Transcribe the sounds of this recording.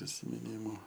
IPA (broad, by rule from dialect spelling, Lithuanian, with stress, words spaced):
pʲrʲɪsʲɪmʲɪˈnʲiːmʊ